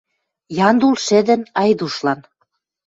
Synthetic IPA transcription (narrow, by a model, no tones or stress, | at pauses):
jɑnd̪ulʃed̪ə̆nɑjd̪uʃlɑn